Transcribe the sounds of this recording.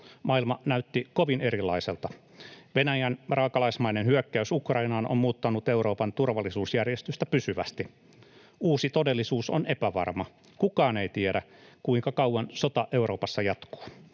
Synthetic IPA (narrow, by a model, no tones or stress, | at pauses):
mɑilmɑnæyt̪ːikoʋine̞ɾilːɑ̰iselt̪ɑ | ʋenæjænrɑːkɑlɑismɑinenhyøkːæysukrɑinɑːnʔo̰mmuːt̪ːɑnut̪euwɾo̞ːpɑnt̪urʋɑlːisuːsjærjest̪yst̪æpysyʋæ̰st̪i | uːsit̪odelːisuːsonepæʋɑ̰rmɑ | kukɑːneit̪iedæ | kuiŋkɑkɑwwɑnsot̪ɑʔe̞uɾo̞ːpɑsːɑjɑt̪ko̥ː